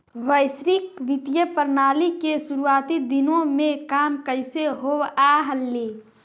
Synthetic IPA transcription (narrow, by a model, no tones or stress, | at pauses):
ʋəɪsɾikʋit̪jəpəɾnaːlikesuɾuaːt̪id̪inõmẽkaːmkəɪseɦoaɦəlːi